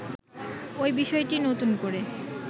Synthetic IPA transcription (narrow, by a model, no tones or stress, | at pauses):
ojbiʃɔeʈinot̪unkoɾe